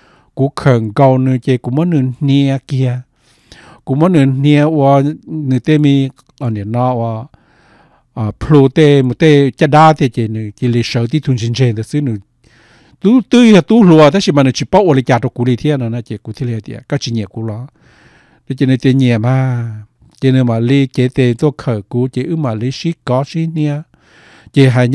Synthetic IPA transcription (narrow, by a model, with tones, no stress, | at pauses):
ku˧˦kʰə˨˩˨ŋɡo˧wnɨ̃˧ke˧ku˧˨mɔ˦nɨ̃˧n̥i˧ə˧ki˧ə˧ | ku˧˦mɔ˦nɨ̃˧˨nĩ˧ə˧ʔwə˧nɨ̃˧˨t̪e˦˨mĩ˧ | a˨nĩ˨nɔ̃˧˦ʔwa˧ | ʔa˨pʰlo˧t̪e˦˨mu˧˨t̪e˦˨cʲa˦˧˨daː˦˨t̪i˧˨ke˧˨nɨ̃˧ki˧˨li˧˨ʃə˨˦t̪̬i˦t̪ʰu˧nd͡ʒi˧˨nd͡ʒe˧˨nt̪ə˧˨sɨ˦nɨ˧˨ | t̪u˦t̪ɨ˦˧a˧t̪u˦lu˧a˧t̪e˦i˧mã˧nɨ̃˧˨t͡ʃi˧˨po˦ʔwli˧kʲa˧t̪o˧ku˧li˧t̪ʰi˦a˦˧nã˧˨nã˧ke˨ku˧t̪ʰi˧˦le˧a˧t̪i˧a̰˧˨ka˦t͡ʃi˧˨ɲẽ˨ku˧lɔ˧˦ | na˧e˧nɨ̃˧t̪e˧ɲɛ̃˨mã˧˦ | te˧˨nɨ̃˧˨mã˨li˦ke˧˨˦t̪e˧˨t̪u˧˦kʰə˨ku˧˦kʲe˧ʔɨ˦mã˨li˦ʃi˦kɔ˧˦ʃi˦nnĩ˧a˧ | kʲe˧˨ɦa˧˨ɲ